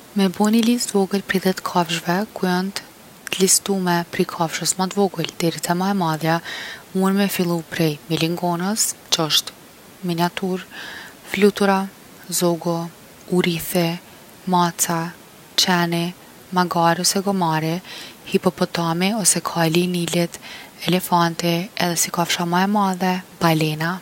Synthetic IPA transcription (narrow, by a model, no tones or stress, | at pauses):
mɛbɔnilisvɔɡəlpɾiðɛt̪kʰavʒvɛkuɔnt̪ | list̪umɛpɾikʰafʃəsmat̪vɔɡəld̪̥ɛɾit̪amaɛmaðjamunmɛfilˠupɾɛjmiliŋɡɔnəst͡ʃɔʃt̪ | miniat̪uɾflut̪uɾa | zɔɡɔ | uɾiθɛ | mat͡sa | t͡ʃɛni | maɡaɾɔsɛɡɔmaɾihipɔpɔt̪amiɔsɛkʰalinilɛt̪ɛlɛfant̪iɛðɛsikafʃamaɛmaðɛb̥alɛna